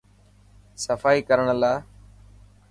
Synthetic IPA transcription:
səfaːiːkəɾəɳlaː

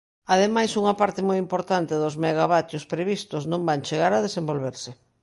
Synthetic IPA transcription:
aðemajsuŋɐpaɾt̪ɪmojimpoɾt̪ant̪eðʊzmeɣ̞aβat̪jospɾeβist̪ʊznõmbant͡ʃeɣaɾaðesembolβ̞eɾsɪ

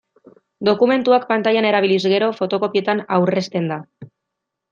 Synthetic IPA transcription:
d̪o̞kume̞nt̪uakpant̪ajane̞ɾaβ̞ilizɣe̞ɾo̞fo̞t̪o̞ko̞pie̞t̪anawre̞st̪e̞nd̪a

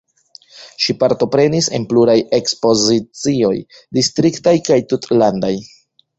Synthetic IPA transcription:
ʃipaɾto̞pɾe̞nise̞̰npluɾaje̞kspo̞zit͡sio̞j | distɾiktajkajtutlandaj

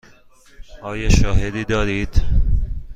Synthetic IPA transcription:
ɒːjɒːʃɒːɦed̪iːd̪ɒːɾiːd̪̥

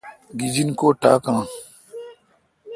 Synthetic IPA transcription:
ɡid͡ʑinkoːʈa̰ːkãː

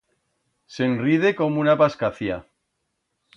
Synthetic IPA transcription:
se̞nrið̞e̞ko̞munapaskaθia

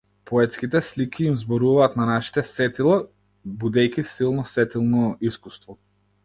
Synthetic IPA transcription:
pɔɛt̪skit̪ɛslikʰiːmzbɔɾuvaːt̪nanaʃi̥t̪ɛsɛt̪ilˠa | bud̪ɛjkʲisilˠnɔsɛt̪ilˠnɔiskust̪vɔ

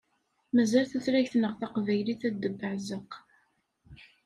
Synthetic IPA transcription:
mæzælθæθɾæçθnəʁθɑqvæjliθæd̪ːəbːəʕzəq

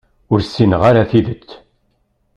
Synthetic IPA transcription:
ʊɾsːinəʁaɾaθiðət͡sː

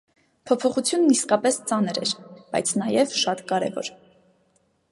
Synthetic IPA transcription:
pʰɔpʰɔχut͡sʰjunːiskɑpɛst͡sɑnəɾɛ̰ɾb̥ɑ̰jt͡sʰnɑjɛvʃɑt̪kɑɾɛ̰vɔ̰ɾ

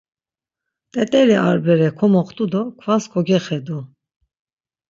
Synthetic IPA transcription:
t̪ʼɛt̪ʼɛɾia̰ɾbɛɾɛkʰɔmɔχt̪ʼud̪ɔkʰvaskʰɔɡɛχɛd̪u

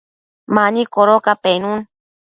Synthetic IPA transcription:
manikoɾokapenũn

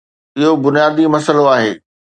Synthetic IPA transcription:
ɪɦobʊnijaːd̪imɐsəloaːɦeː

